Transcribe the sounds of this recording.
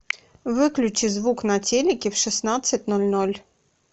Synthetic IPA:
ʋɪklʲʊt͡ʃɪzʋuknɐtʲelʲɪkʲɪwʃɪsnat̪sʲːɐt̚ʲnɔlʲnɔlʲ

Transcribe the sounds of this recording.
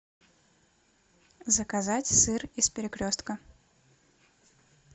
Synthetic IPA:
zəkɐzatʲsɨrispʲɪɾʲɪkɾʲost̪kə

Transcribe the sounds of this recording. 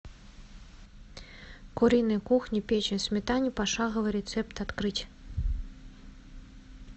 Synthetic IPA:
kuɾʲinɨjkuxnʲipʲet͡ʃnʲɨsʲmʲɛt̪anʲːipaʂaɣɐvɨɾʲɛt̪sɛpt̪at̪kɾɨt͡sʲ

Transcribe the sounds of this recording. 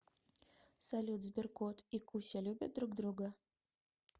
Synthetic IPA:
sɐlʲut̪zbʲɪrkot̪ikusʲalʲubʲɪt̪̚d̪ɾuɡd̪ɾuɡə

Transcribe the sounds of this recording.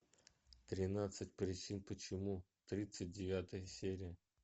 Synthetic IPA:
t̪ɾʲɪnat̪sɨtʲpɾʲɪt͡ɕinpət͡ɕɪmu | t̪ɾʲit̪sɨt̚ʲdʲɪvʲat̪əjəsʲeɾʲɪjə

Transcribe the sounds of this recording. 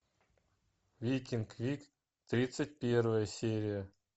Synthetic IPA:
vʲikʲinkvʲik | t̪ɾʲit̪sɨt̚ʲpʲervəjəsʲeɾʲɪjə

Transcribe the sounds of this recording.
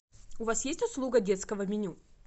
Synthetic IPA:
ʊvasjesʲtʲʊslˠuɡədʲet̪skəvəmʲɪnʲu

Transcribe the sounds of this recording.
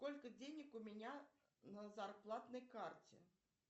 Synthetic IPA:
kɔlʲkɐd͡zʲenʲɐkumʲɛnʲa | nɐzarplˠat̪nɐjkart͡sʲɛ̰

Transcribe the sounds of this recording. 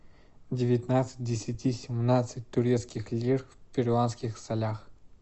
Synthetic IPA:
dʲɪvʲɪt̪nat̪sɨ̥t̚ʲdʲɪsʲɪtʲisʲɪmnat̪sɨtʲt̪ːʊɾʲet̪skʲɪxlʲirfpʲɪrʲlˠanskʲɪxsɐlʲax

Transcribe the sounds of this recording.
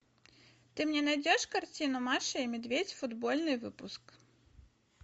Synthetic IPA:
t̪ɨmnʲɛnajd͡zʲɛʂkart͡sʲinumaʂɐimʲid̪vʲet͡sʲfud̪bɔlʲnɨvɨpusk

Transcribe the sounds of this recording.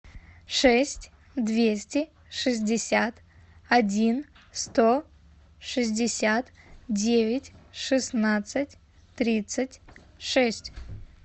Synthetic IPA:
ʂɛsʲtʲ | d̪vʲesʲtʲɪ | ʂɨzʲdʲɪsʲat̪ | ɐdʲin | st̪o | ʂɨzʲdʲɪsʲat̪ | dʲevʲɪtʲʂɨsnat̪sɨtʲ | t̪ɾʲit̪sɨtʲ | ʂɛsʲtʲ

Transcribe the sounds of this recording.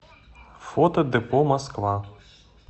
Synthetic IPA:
fɔt̪ɐd̪ɪpɔmɐskʋɑ

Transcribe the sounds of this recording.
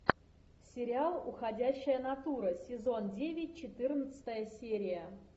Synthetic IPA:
sʲɪɾʲɪalˠʊxɐdʲæɕːɪjənɐt̪uɾəsʲɪzo̞ndʲevʲɪt̚ʲt͡ɕɪt̪ɨrnət̪sə̥t̪əjəsʲeɾʲɪjə

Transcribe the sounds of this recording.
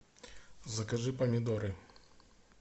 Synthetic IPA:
zɐkɐʐɨpɐmʲid̪ɔɾɨ

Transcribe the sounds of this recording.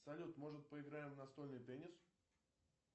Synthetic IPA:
sɐlʲut̪mo̞ʐɨt̪̚pəɪɡɾajɪmnɐst̪o̞lʲnɨjpʲenʲɪs

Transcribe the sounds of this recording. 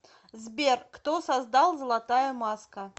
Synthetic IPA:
zbʲerkt̪osɐzd̪ɑlˠzəlˠɐt̪ajəmɑskə

